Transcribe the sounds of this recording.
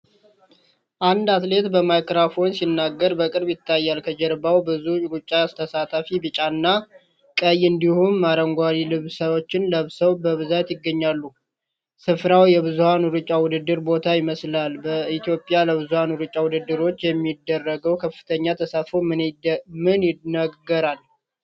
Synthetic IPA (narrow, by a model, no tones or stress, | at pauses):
ʔand̪at̪le̞t̪bəmajkɾafo̞nsinːaɡːəɾbəkʼɨɾbjɪt̪ːajːalkʰəd͡ʒɛɾbawbɨzuɾut͡ʃʼːast̪ʰəsat̪ʰafibɨt͡ʃʼanːa | kʼəjɨnd̪ihumːaɾəŋɡʷaɾilɨβsəβot͡ʃːɪnləβsəwbəβɨzat̪jɪɡːəɲːalːu | sɨfɾawjɛβɨzuhanʊɾɨt͡ʃʼːawʊd̪ɨd̪ːɨɾbo̞t̪ʰajɪməslalbəit̪ʰjo̞pʼːjaləβɨzuhanwuɾɨt͡ʃʼːawʊd̪ɨd̪ːɨɾo̞t͡ʃːjɛmːid̪ːərːəɡəwkʰəfːɨ̥t̪ʰəɲːat̪ʰəsafommɨnɪnəɡəɾal